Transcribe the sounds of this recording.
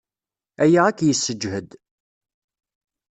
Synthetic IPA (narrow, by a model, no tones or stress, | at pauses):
æjaʁækːjəsːəd͡ʒhəd̪